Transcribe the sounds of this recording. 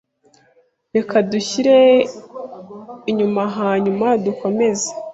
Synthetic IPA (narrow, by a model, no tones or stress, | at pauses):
ɾe̞kaduçiɾe̞ | iɲumaɦaːɲumaduko̞me̞ze̥